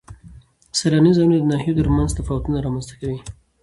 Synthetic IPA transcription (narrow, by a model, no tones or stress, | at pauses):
saɾɑnizɑjunod̪ənɑhijot̪əɾmanzt̪afɑwat̪unaɾɑmanzt̪ḁkawi